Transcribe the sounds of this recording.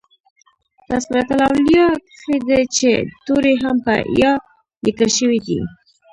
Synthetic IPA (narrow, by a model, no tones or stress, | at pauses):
t̪asɾat̪alɑwljɑkəxed̪et͡ʃḛt̪oɾeɦampə̰jɑ | lɪkəlʃəwid̪ḭ